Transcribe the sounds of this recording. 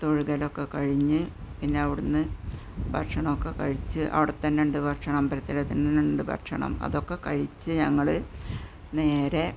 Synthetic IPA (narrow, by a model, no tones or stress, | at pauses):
t̪oɻuɣɐlo̞kːe̞kɐɻiɲːɨpinːe̞ɐʋiɽunːɨ | bʱɐ̰rʂɐɳɐmokːe̞kɐ̰ɻit͡ɕːɨʔɐ̰ʋiɽɐt̪ːɐnːeɳɖɨbʱɐrʈʂɐɳɐmbɐɾɐt̪ːilɐt̪ːinːɐneɳɖɨbʱɐ̰ʂɐ̰ɳɐ̰mɐ̰ðo̞kːe̞kɐɻit͡ɕːɨɲɐŋːɐɭɨ | ne̞ːɾe̞